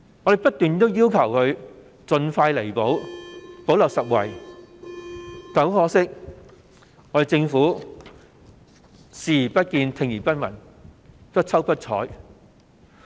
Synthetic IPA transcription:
ŋɔ˨˧d̪e˨jpɐ˥t̚t̪yː˨nt̪o˥wjiː˥wkʰɐ˨˩whɵ˨˧ɥ | t͡sɵ˨nfaː˧jle˨˩jpo˨˥wpo˨˥wlɐ˨wsɐ˨t̚wɐ̰˨˩j | t͡sɐ˨˥wfɔː˧˥sɪ˥k̚ | ŋɔː˧˥de˨˩t͡sɪ˧ŋfuː˨˥ | siː˨˩jiː˨˩pɐ˥t̚kiː˧nt̪ʰɪ˧ŋjiː˨˩pɐ˥t̚mɐ̰˨˩n | pɐ˥t͡sʰɐ˥wpɐ˥t̚t͡ʃʰɔ̰ː˨˥j

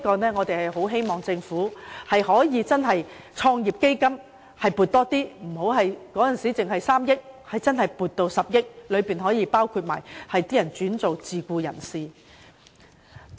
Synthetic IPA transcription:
kɔː˧nɛː˥ŋɔː˨˧t̪e˨jhɐ˨jɦo˨˥wɦe˥jmɔː˨ŋt͡sɪ˧ŋfuː˨˥hɐ˨jɦɔː˨˥jiː˨˧t͡sɐ˥nɦɐ˨j | t͡ʃʰɔː˧ŋjiː˨˩p̚ke˥jkɐ˥m | hɐ˨˩jpu˨t̚t̪ɔː˥t̪iː˥m̩˨˩ho˨˥wɦɐ˨jkɔː˨˥jɐ˨nsiː˨˥t͡sɪ˨ŋɦɐ˨jsaː˥mjɪ˥k̚hɐ˨jt͡sɐ˥nhɐ˨jpuː˨t̚t̪o˧wsɐ˨p̚jɪ˥k̚lɵ˨˧ɥpiː˨nɦɔː˨˥jiː˨˧˥paː˥wkʰu˧t̚ma̰ː˨˩jhɐ˨jt̪iː˥jɐ˨˩nt͡ʃyː˨˥nt͡so˨wt͡siː˨kʷuː˧jɐ̰˨˩nsiː˨

